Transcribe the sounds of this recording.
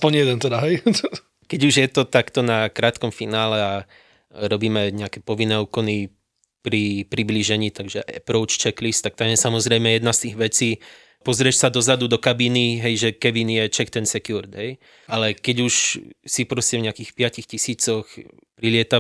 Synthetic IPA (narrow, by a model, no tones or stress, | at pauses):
spɔɲjɛd̪ɛnt̪ɛd̪aɦɛj | kɛɟuʒjɛt̪ɔt̪akt̪ɔnakɾaːt̪kɔmfinaːlɛa | ɾɔbiːmɛɲɛakɛpɔʋinːɛːukɔni | pɾipɾibliʒɛɲiːt̪aɡʒɛʔɛpɾɔʊt͡ʃt͡ʃɛklist̪ak̚t̪amjɛsamɔzɾɛjmɛjɛd̪nast̪iːɣʋɛt͡siː | pɔzɾɪɛʃsad̪ɔzad̪ud̪ɔkabiniɦɛjʒɛkɛʋinjɛt͡ʃɛkt̪ɛnsɛkjuɾd̪ɦɛj | ʔalɛkɛɟuʃsipɾɔscɛvɲɛakiːxpɪacixcisiːt͡sɔx | pɾilɪɛt̪a